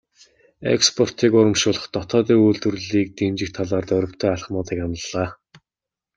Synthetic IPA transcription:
ḛkspʰɔr̥t̪ʰiːkʊɾə̆mʃʊːɮə̆χt̪ɔt̪ʰɔːt̪iːuɮt̪ɵ̆rɮiːk̚t̪emt͡ɕɪ̆k̚t̪ʰːaɮaːrt̪œɾʲɪ̆kt̪ʰœːaɮχmʊːt̪iːkanə̆ɮaː

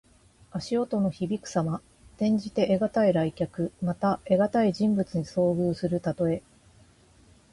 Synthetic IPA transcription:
aɕio̞t̪o̞no̞çibʲikɯ̟̥sama | t̪ẽ̞ɲ̟d͡ʑit̪e̞ʔeɡat̪aiɾaikʲakɯ̟mat̪ae̞ɡat̪aiʑĩmbɯ̟t͡sɨɲ̟iso̞ːɡɯ̟ːsɨɾɯ̟t̪at̪o̞e̞

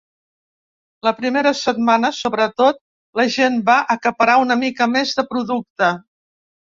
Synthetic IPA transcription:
ləpɾimeɾəsət̪̚manəsoβɾət̪ot̪̚ | ləʒembaʔəkəpəɾaunəmikəmezðəpɾuðuk̚t̪ə

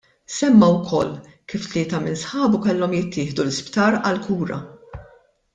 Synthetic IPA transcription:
sɛmːɐwkʰɔlː | kiːft̪lɪːt̪ɐmɪnsħɐːbukɛlːɔmjɪt̪ːɪːħd̪ulɪspt̪ɐːɾɐlkuːɾɐ̰

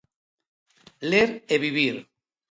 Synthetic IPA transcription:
leɾeβiβiɾ

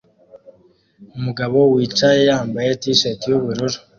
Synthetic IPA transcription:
umuɡaβo̞wiːt͡ʃajejaːmbajetiʃetijuβuɾuɾo̥

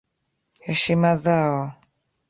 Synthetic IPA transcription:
hɛʃimazaɔ

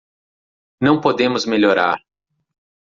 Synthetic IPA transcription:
nɐ̃w̃pod̪ẽmʊzmeʎoɾa̰ɾ

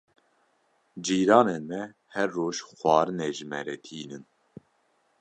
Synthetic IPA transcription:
d͡ʒiːɾɑːneːnmɛ | hɛrːoːʃxʷwɑːɾɨneːʒɨmɛ̰ɾɛːt̪ʰiːnɨn

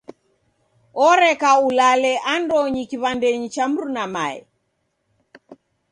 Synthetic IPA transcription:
ɔɾɛkaulalɛʔandɔɲikiβandɛɲit͡ʃam̩ɾunama̰ɛ̰

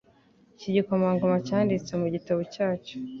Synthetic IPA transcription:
ciɟikomaŋɡomacaːndit͡se̞muɟitaβocaːt͡ʃo̥

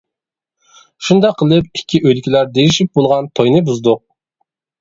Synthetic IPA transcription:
ʃund̪ɑqʰːəlˠɨp̚ikʲʰːiʔøjlkʲʰilæɾd̪ejiʃip̚bolˠʁɑnt̪ʰojnɨbuzd̪ʊq̚

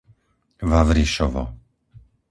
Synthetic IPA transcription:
ʋaʋɾiʃɔʋɔ̰

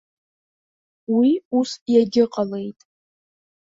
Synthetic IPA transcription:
wiusjaɡʲɪqʼale̞jtʼ

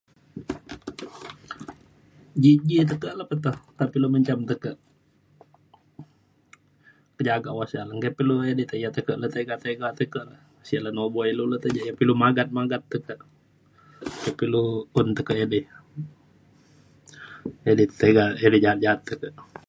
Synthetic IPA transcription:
d͡ʒid͡ʒit̪̬əkəʔləpət̪oht̪apiluməɲt͡ʃamt̪əkəʔ | kəd͡ʒaɡaʔwasalaŋkepiluedit̪əjat̪əkəʔlət̪əɡat̪əɡat̪əkəʔləh | siaʔlanoboilulət̪əd͡ʒaʔjapilumaɡat̪̚maɡat̪ːəkəʔ | kepiluunt̪əkəʔedi | edit̪eɡaedid͡ʒaat̪̚d͡ʒaɦat̪ːəkəʔ

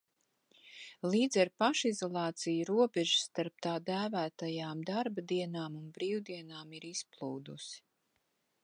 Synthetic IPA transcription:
liːd̪zɛɾpaʃizɔlˠɑːt̪sijɾuɔbɛʒsːt̪aɾp̚t̪aːd̪æːvæːt̪ajaːmd̪aɾbad̪iɛnaːmunbɾiːwd̪iɛnaːmiɾisplˠuːd̪ṵs

